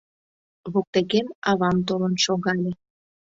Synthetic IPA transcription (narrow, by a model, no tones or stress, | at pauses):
βok̚t̪eɣemɑβɑmt̪olənʃoɣɑlʲe